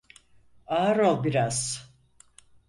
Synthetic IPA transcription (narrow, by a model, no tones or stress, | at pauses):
aːɾolˠbiɾaz̥